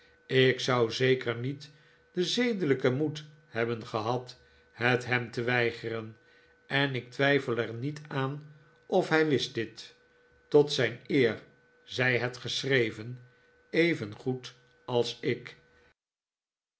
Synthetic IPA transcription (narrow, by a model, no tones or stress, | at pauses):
ɪksʌwzejkʰəɹnit | d̥əzejdələkəmut | hɛbənχəɦɑt | hətɦɛmtəʋɛjχərən | ɛnɪk̚tʋɛjfəlˠɛɹnitaːn | ʔɔfɦɛjʋɪstd̥ɪtː | ɔtsɛjnɪːɹ | zɛjɦɛtχəsrejvən | ejvənχut | ɑlˠsɪk